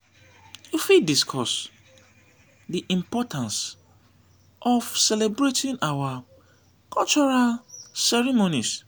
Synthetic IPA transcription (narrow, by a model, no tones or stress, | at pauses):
jufidiskʰɔs | diʔĩmpɔtãns | ʔɔfsɛlebɹetʰĩnawa | kʰɔlt͡ʃɔɹalsɛɹimonis